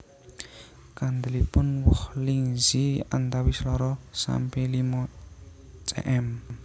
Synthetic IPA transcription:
kand̪əlipʊnwʊhliŋzia̰nt̪awislɔɾɔsa̰mpelimɔ | t͡ʃʼɛ̰ʔɛm

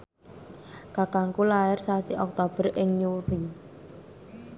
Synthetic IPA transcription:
ɡ̥a̤kaŋkulaɪrsasiʔɔk̚t̪ob̥ərʔɪŋjuɾi

